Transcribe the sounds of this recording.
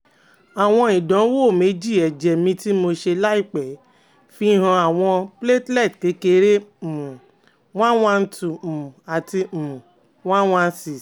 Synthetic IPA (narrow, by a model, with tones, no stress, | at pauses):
a˨w̃ɔ̃˧i˨dɔ̃˨˦wo˦˨me˨˦d͡ʒi˦˨ɛ˨d͡ʒɛ˨mĩ˧˦ti˦mo˧ʃe˧la˦i˦˨k͡pɛ˨ | fi˦ɦã˧a˨w̃ɔ̃˧ple˦tlɛ˦˨tke˨˦ke˧ɾe˦˨mũ˨ | w̃ã˦wã˧n̩˦tũ˨a˨ti˧˨ũ˨ | w̃ã˦w̃ã˧n̩˧˦si˨